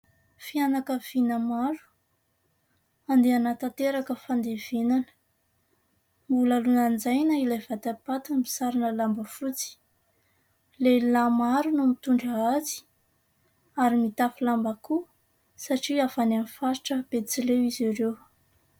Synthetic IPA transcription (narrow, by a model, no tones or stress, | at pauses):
fianakəv̥inəmaɾu̥ | and̪eanat̪at̪eɾakəfand̪ev̥enanə̥ | mbulalunand͡zajnəilavat̪apat̪inmi̥saɾinəlambəfut͡si̥ | lelamaɾunumit̪uɳɖ͡ʐəazi̥ | aɾimit̪afilambaku | saʈ͡ʂiafananfaʃi̥ʈ͡ʂəb̥et͡silewiziɾew